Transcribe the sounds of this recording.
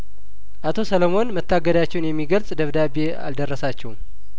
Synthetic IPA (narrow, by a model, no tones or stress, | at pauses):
ʔat̪ʰo̞sələmo̞nmət̪ʰːaɡəd̪at͡ʃːɛwnjɛmːiɡəlsʼd̪əβd̪abea̰ld̪ərːəsat͡ʃːɛw